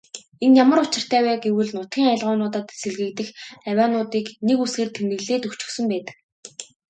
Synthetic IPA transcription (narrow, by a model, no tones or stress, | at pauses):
enjamə̆ɾʊt͡ɕɪ̆r̥t̪ʰæːwæːɡewɘ̆ɮnʊt̪ɡʲiːŋăɮʁʊːnʊːt̪ə̆t̪sĕɮɣɘ̆kt̪ɘ̆xæwʲaːnʊːt̪iːknekusxeːrt̪ʰemnɘ̆ɣɮeːt̪ɵxt͡ɕɵ̥̆xsɵ̆mpæːt̪ə̥̆k